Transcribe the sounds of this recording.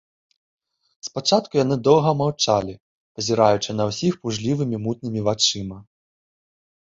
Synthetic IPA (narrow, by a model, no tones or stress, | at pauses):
spat͡ʂat̪kujan̪ɨd̪ɔwˠɣɐmawt͡ʂalʲi | pɐzʲiɾajut͡ʂɨnɐwsʲixpuʐlʲivɨmʲimut̪̚nɨmʲivat͡ʂɨmɐ